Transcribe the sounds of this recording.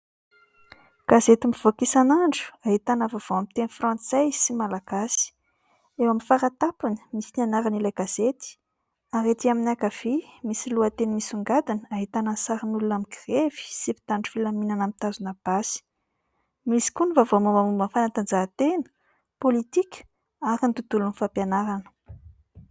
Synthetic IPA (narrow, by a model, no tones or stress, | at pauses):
ɡ̥azet̪imiv̥okisanaɳɖ͡ʐu̥aɦit̪anavav̥oamt̪enifrɑ̃nt͡sejsimalaɡ̥asi̥ | ewamifaɾat̪apinə̥misinanaɾanilajɡaz̥et̪i̥ | aɾet̪iaminakav̥emisiluat̪enimisuŋɡad̪inəaɦit̪anasaɾinulunamiɡrevi̥sipi̥t̪aɳɖ͡ʐu̥filaminanamit̪azunab̥asi̥ | misi̥kunivavomomamumbənfanat̪and͡ʒat̪enə̥ | polit̪ikʲə̥ | aɾint̪ud̪ulunifampjanaɾanə̥